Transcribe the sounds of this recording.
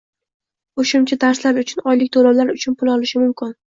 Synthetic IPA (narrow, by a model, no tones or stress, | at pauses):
oʃʊmt͡ʃʰad̪aɾslaɾʊt͡ʃʰʊnɒjlɪk̚ʲt̪ʰolawlaɾʊt͡ʃʰʊnpʰʊlˠɒlɪʃɪmʊmkʲʰɪn